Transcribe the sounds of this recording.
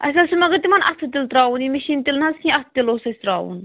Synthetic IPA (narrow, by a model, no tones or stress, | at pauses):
ʔɐ̰sʲasumɐɡɐt̪imɐnʔɐt̪ʰɨt̪ilt̪ɾaːunimiʃiːnt̪ilnɦɐskʰʲĩɐt̪ʰt̪iloːsɐsʲt̪ɾaːṵːn